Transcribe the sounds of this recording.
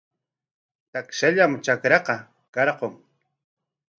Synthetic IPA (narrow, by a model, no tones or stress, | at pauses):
t̪akʃaʎamt͡ʃakɾɑqɑ | kɑɾqoŋ